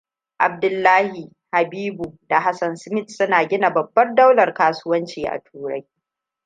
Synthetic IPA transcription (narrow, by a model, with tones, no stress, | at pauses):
ʔa̰˨b̚dʊ˨lːaː˦hi˨ | ha˨biː˦bu˨da˨ɦa˦sɐ˨nsmɪ˦tsʊ˦naː˨ɡʲɪ˦na˨bɐ˨bːɐ˦rda˦wlɐ˨rkaː˦sʊ˦wɐ˦nt͡ʃiː˨ʔa̰˨tʰuː˨ɽɐ˦j